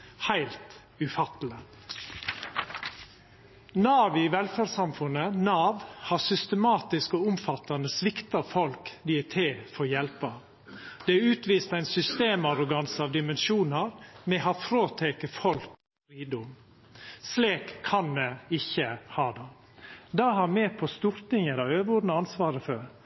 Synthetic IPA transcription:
hæɪlt̪ | ʉfɑt̪ələ | nɑːʋɪʋɛlfæsɑmfʉnːənɑːʋhɑːsʏst̪əmɑːt̪ɪskɔʊmfɑt̪ɑnəsʋɪkt̪ɑfɔlkd̪ɪæt̪ʰeːfɔɾjɛlpə | d̪̥ɛæɾʉːt̪ʋiːst̪æɪnsʏst̪eːmɑɾʊɡɑnsɑːʋd̪ɪmɛnʃuːnəɾmɛhɑfɾoːt̪ʰɛkəfɔlk | ɾiːd̪ɔm | sleːkʰːɑndɛɪçːəhɑːd̪ɑː | d̪ɑːɦɑɾmɛːpʰɔst̪uɾt̪ɪŋəd̪ɑøːʋʊd̪nəɑnsʋɑːɾəføɾ

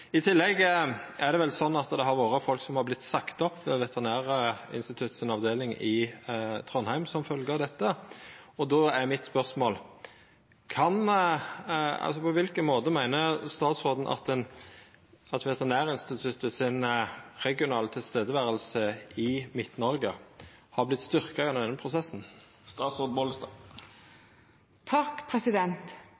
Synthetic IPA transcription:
ɪt̪ʰɪlːɛɡæʁd̪ɛʋɛlsɔnːɑt̪d̪ɛɦɑɾʋoːɾəfɔlksɔmhɑblɪt̪ːsɑkt̪ɔpːʋɛʋɛt̪ʰəʁɪnæːɾɪ̰nst̪ɪt̪ʰʉt̪ːsɪnɑʋd̪eːlɪŋɪt̪ʰʁɔnhæɪmsɔmfœlɡɑd̪ɛt̪ːəɔd̪oːæʁmɪt̪spœʁsmoːl | kʰɑn | ɑ̰lsɔpʰɔʋɪlkənmoːt̪əmæɪnəst̪ɑːt̪sʁoːd̪n̩ʔɑ̰t̪ɛn | ɑt̪ʋɛt̪ənæːɾɪnst̪ɪt̪ʰʉt̪ːəsɪnʁɛɡɪʊnɑːlət̪ʰɪlst̪eːd̪əʋæːɾəlsəɪmɪt̪ːnɔɾɡəhɑɾblɪt̪st̪ʏʁkɑʉnəɾd̪ɛnːəpʰʁʊsɛsːn̩ | st̪ɑːt̪sɔːd̪ɔlst̪ː | t̪ʰɑkːpʰɾɛsɪd̪ɛnt̪

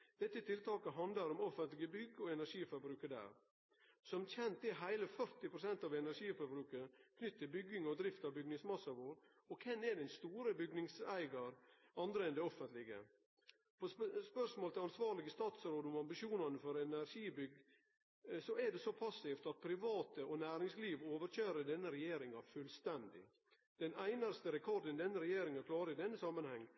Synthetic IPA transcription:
d̪̥ɛt̪ːət̪ʰɪlt̪ʰɑːkəɦɑnd̪ləɾɔmɔfənt̪lɪɡəbʏɡːɔɛnæɾʂiːfɔɾbɾʉːkəd̪æ̰ːɾ | sɔmçɛnt̪ːɪɦæɪləfœɾt̪ɪpɾʊsɛnt̪ɑʋɛnæɾʂiːfɔɾbɾʉːkəkʰnʏt̪ːəlbʏɡːɪŋɔd̪ɾɪft̪ɑʋbʏɡnɪŋsmɑsɑʋoːɾ | ɔkʰɛnːɛd̪ɛnst̪uːɾəbʏɡnɪŋsæɪɡɑɾɑnd̪ɾəɛnd̪ɛɔfənt̪lɪɡə̰ | pʰɔspœɾʂmoːlt̪ɪlɑnsʋɑːɾɭɪɡəst̪ɑːt̪sɾoːd̪ɔmɑmbɪʃuːnɑnəfɔɾɛnæɾʂiːbʏɡ | sɔɛɖɛsɔpʰɑsːɪft̪ɑt̪̚pʰɾɪʋɑːt̪əɔnæːɾɪŋsliːʋoːʋəɾt͡ʃøːɾəɖ̪ɛnːəɾɛjeːɾɪŋɑfʉlst̪ɛnd̪ɪ̰ | d̪̥ɛnæɪnɑɾst̪əɾɛkʰɔɾd̪ənd̪ɛnːəɾɛjeːɾɪŋɑɾkʰlɑːɾəɪd̪ɛnːəsɑmːənhɛŋː

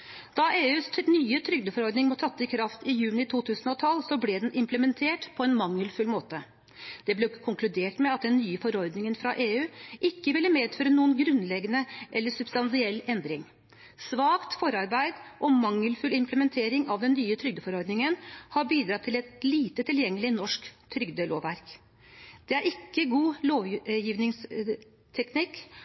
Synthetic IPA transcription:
d̪̥ɑʔeːʉːsnyːət̪ʰɾʏɡd̪əfɔɾɔɾd̪nɪŋmɔt̪ʰɑt̪ːɪkʰɾɑft̪ɪjʉːnɪt̪ʰuːt̪ʰʉːsənɔt̪ʰɑlːsɔblɛd̪ɛnʔɪmpləmɛnt̪ʰeːʈpʰɔɛnmɑŋːəlfʉlmoːt̪ə | d̪̥ɛbleːkʰʊŋklʉd̪eːʈmɛɑt̪̚d̪ɛnːyːəfɔɾɔɾd̪nɪŋənfɾɑʔeːʉːʔɪkːəʋɪlːəmeːd̪føːɾənuːənɡɾʉnːlɛɡənəʔɛlːəʂʉbst̪ɑnsɪɛlːɛnd̪ɾɪŋ | sʋɑːkt̪fɔɾɑɾbæɪd̪ʔɔmɑŋːəlfʉlɪmpləmɛnt̪ʰeːɾɪŋɑʋd̪ɛnːyːət̪ʰɾʏɡ̚d̪əfɔɾɔɾd̪nɪŋənhɑɾbiːd̪ɾɑt̪ʰɪlɛt̪liːt̪ət̪ʰɪljɛŋːəlɪnɔʂkt̪ʰɾʏɡd̪əloːʋːæɾk | d̪̥ɛæɾʔɪkːəɡuːloːʋjiːʋnɪŋs | t̪ʰɛknɪkː

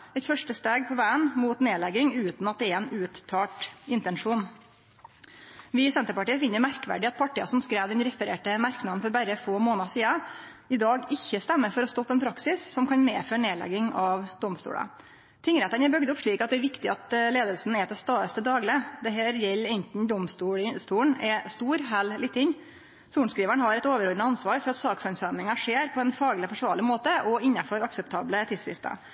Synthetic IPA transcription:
ɛt̪fœʂʈəst̪eːɡ̚pʰɔʋæɪənmuːt̪neːlɛɡɪŋʉːt̪nɑt̪̚d̪ɛæɾɛnʉːt̪ʰːɑːʈɪnt̪ənʂuːn | ʋɪsɛnt̪əɾpɑʈiːəfɪnːəɾmæɾkʋæ̰ɖɪɑt̪̚pʰɑʈʰiːɑsɔmskɾeːʋd̪ɛnɾɛfəɾḛːʈəmæɾknɑɡn̩fɔɾbæɾəfoːmoːnɑsiːɑ | ɪd̪ɑːɡɪçːəst̪ɛmːəɾfɔɾɔst̪oːpːɛnpʰɾɑksɪssɔmkʰɑnmḛːføːɳeːlɛ̰ɡɪŋɑʋd̪ɔmst̪ṵːɽɑ̰ | t̪ʰɪŋɾɛt̪ɑnɛbʏɡd̪ʊpʂɭiːkɑt̪̚d̪ɛæɾʋɪkt̪ɪɑt̪leːd̪əlsn̩ɛd̪ɛst̪ɑːəst̪əd̪ɑːɡlɪəd̪ɛɦæːɾjɛlːɛnt̪n̩d̪ɔmst̪uːst̪uːɳɛst̪uːɾɦællɪt̪ʰːɪɲː | suːɳ̩skɾiːʋæɳɦɑɾɛt̪oːʋəɾɔd̪nəɑnsʋɑːɾfɔɾɑt̪sɑːksɑnsɑmnɪŋɑʂeːɾpʰɔɛnfɑːɡlɪfɔʂʋɑːlɪmoːt̪əʔɔɪnːɑfɔɾɑksəpt̪ʰɑ̰ːblət̪ʰɪd̪slɪ̰st̪ə̰

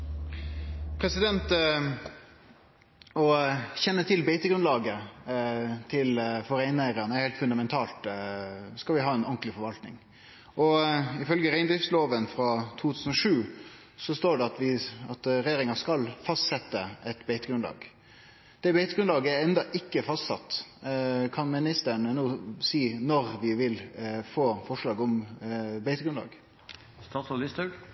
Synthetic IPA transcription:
pʰɾɛsɪd̪ɛnt̪ | ɔɕɛnːət̪ʰɪlbeɪt̪əɡɾʉnlɑːɡə | t̪ʰɪlfɔɾæɪnəɾənəɛɾhɛɪlt̪fʉnd̪ɑmɛnt̪ʰɑːlt̪ | skɑlʋɪɦɑːɛnɔŋklɪfɔɾʋɑlt̪nɪ̰ŋ | ɔɪfœlɡəɾæɪnd̪ɾɪftsloːʋənfɾɑt̪ʰuːt̪ʰʉːsən̩ɔʂʉː | sɔst̪oːɖɛɑt̪ʋɪɑt̪ɾɛjeːɾɪŋɑskɑlfɑst̪sɛt̪ːəʔɛt̪beɪt̪əɡɾʉnlɑ̰ːɡ | d̪̥ɛbæɪəɡɾʉnlɑːɡəɛɾɛnd̪ɑʔɪkːəfɑst̪sɑt̪ː | kʰɑnmɪnɪst̪əɳənuːsiːnɔɾʋɪʋɪlfoːfɔʂlɑːɡɔmbæɪt̪əɡɾʉnɑ̰ːɡ | st̪ɑːt̪sɔlɪst̪ɑɡ

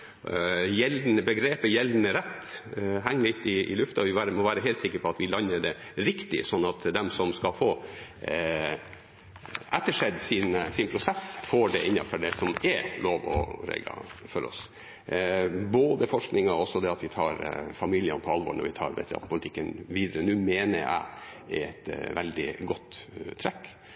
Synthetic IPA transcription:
jɛld̪nəbəɡɾeːpəjɛld̪nɛɾɛt̪ːɦæŋːlɪt̪ːɪ̰ːlʉft̪ɑʋɪʋæːɾəmɔʋæːɾəɦeːlt̪sɪkːəɾpʰɔɑt̪ʋɪlɑnːəɖɛɾɪkt̪ɪ̰sɔnːɑt̪d̪ɛmsɔmskɑlfoː | ɛt̪ːəʂɛd̪sɪnsɪnpʰɾʊsɛsfoːɖɛɪnːɑfɔɖɛsɔmɛloːʋɔ̰ɾɛ̰ːɡlɑ̰fɔɾɔ̰s | boːd̪əfɔʂknɪŋɑɔsːɔd̪ɛɑt̪ʋɪt̪ʰɑːɾfɑmiːljənpʰɔɑlʋɔ̰ɾnɔ̰ɾʋɪt̪ʰɑ̰ːɾʋɛ̰t̪ʰɑ̰t̪pʰʊlɪt̪ʰɪkːənʋiːd̪əɾənʉːmeːnə̰ɾæ̰ɪɛɛt̪ʋɛld̪ɪ̰ɡɔt̪ːt̪ʰɾɛkː

